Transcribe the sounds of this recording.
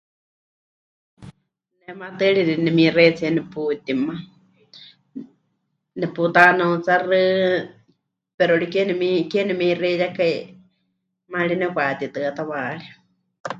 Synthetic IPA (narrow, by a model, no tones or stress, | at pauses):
nɛmat̪ɨɺiɾinɛmĩret͡sʰiɛnɛput̪ima | nɛput̪anaut͡sarɨ | pɛɾoɾikenɛmikɛnɛmĩrejakaj | malinɛkʷat̪it̪ɨat̪aβaːɺi